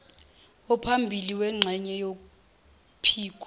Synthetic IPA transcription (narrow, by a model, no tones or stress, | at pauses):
ɔpʰambʱiliwɛŋ͡ǁʱɛɲɛjok̬u | pʰiːk̬ʼw